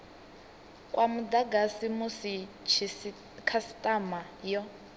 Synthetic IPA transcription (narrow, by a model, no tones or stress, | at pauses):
kʼwʔamudaɡasimusit͡ʃʰi | kʰasi̥tʼamajɔ